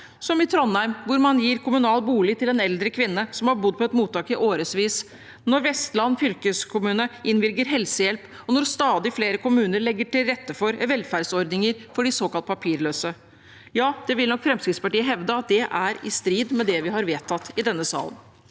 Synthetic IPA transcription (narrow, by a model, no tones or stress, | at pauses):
sɔmɪt̪ʰɾɔnːæɾmʋʊɾmɑnjiːɾkʰʊmʉnɑːlbuːlɪt̪ʰɪlɛnɛld̪ɾəkʰʋɪnːəsɔmhɑɾbʊd̪̚ːpʰɔɛt̪muːt̪ːɑːkɪʔoːɾəsʋiːs | nɔɾʋɛst̪lɑnːfʏlkəskʰʊmʉːnəʔɪnʋɪɾɡəɾɦɛlsəjɛlp | ɔnɔɾst̪ɑːd̪ɪfleːɾəkʰʊmʉːnəɾɭɛɡːəʈɪlɾɛt̪ːəfɔɾʋɛlfæɖsɔɾd̪nɪŋəɾfɔɖɪsoːkɑlt̪̚pʰɑpʰiːɾɭøːsə | jɑːd̪̥ɛʋɪlnɔkːfɾɛmskɾɪt̪spɑʈiːəɦɛʋd̪əɑt̪̚d̪ɛʔæɾɪst̪ɾiːd̪mɛd̪ɛʋɪɦɑɾʋeːt̪ʰɑt̪ːɪd̪ɛnːəsɑ̰ːlə̰n